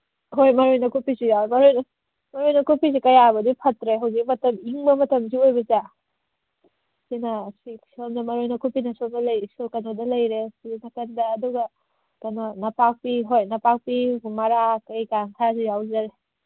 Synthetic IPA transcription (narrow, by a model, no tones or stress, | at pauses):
ɦojmɐɾojnɐkupisijawemɐɾojnɐ | mɐɾojnɐkupisikɐjabɐdipʰɐtɾeɦɐwzik̚mɐtɐmiŋbɐmɐtɐms̬iojbɐt͡ʃa | sinɐsisomdɐmɐɾojnɐkupinɐsomdɐlɐjsokɐnodɐlɐjɾesinɐkɐndɐːduɡɐ | kɐnonɐpak̚piɦojnɐpak̚pimɐɾakɐjkaŋkʰasijawzaɾe